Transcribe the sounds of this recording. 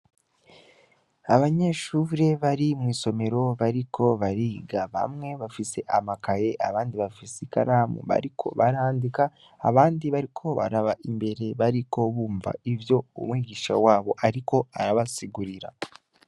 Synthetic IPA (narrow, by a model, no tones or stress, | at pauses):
aβaɲe̞ʃuɾe̞βaɾimŋiːso̞me̞ɾo̞βaɾikʰo̞βaɾiːɡaβa̰mŋe̞βafise̞ʔamakaje̞ʔaβaːndiβafisika̰ɾamṵβa̰ɾikʰo̞̰βaɾaːndikaː | βaːndiβaɾikʰo̞βa̰ɾaβaʔimbe̞ɾe̞βaɾiko̞βuːɱva̰ivjo̞ṵmwiːɡiːʃa̰waːβo̞ʔaɾiko̞aɾaβasiɡuɾiɾa̰